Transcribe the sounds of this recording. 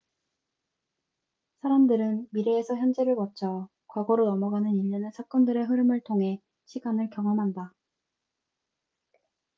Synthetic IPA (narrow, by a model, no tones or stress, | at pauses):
sʰaɾamdɯɾɯnmiɾe̞ːsʰʌçjʌnd͡ʑe̞ɾɯɭkʌt͡ɕʰʌ | kwaɡʌɾonʌmʌɡanɯniʎːʌnesʰak͈ʌndɯɾe̞ɦɯɾɯmɯɭtʰoŋɦe̞ | ɕʰiɡanɯɭkjʌŋʌmɦanda